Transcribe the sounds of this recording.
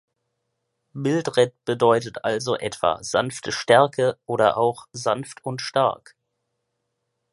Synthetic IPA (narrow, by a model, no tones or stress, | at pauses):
mɪltʁɛt̚b̥ədɔʏtətʔalzoʔɛtv̥a̰ːza̰nftʰəʃtɛɐkʰəʔoːɾɐ̰ʔaʊxzanftʰʊntʃta̰ɐk